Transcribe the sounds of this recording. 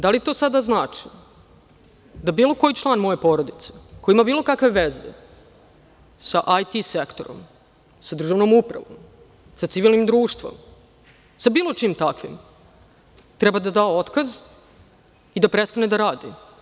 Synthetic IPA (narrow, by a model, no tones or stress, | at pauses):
d̪alit̪o̞ːsad̪aznaːt͡ʂi | d̪abiːlˠo̞ko̞jit͡ʃlˠaːnmo̞je̞po̞ɾod̪it̪seko̞jiimabiːlˠo̞kakʋeʋezḛ | saʔajt̪isekt̪o̞ɾo̰m | sad̪r̩ʒavno̞mupɾa̰ʋo̰m | sat̪siʋiːlˠnimd̪ɾuːʃt̪ʋo̰m | sabiːlˠo̞t͡ʂiːmt̪akʋḭm | t̪ɾɛbad̪ad̪aːoot̪kaz | id̪apɾest̪aned̪aɾaːd̪ḭ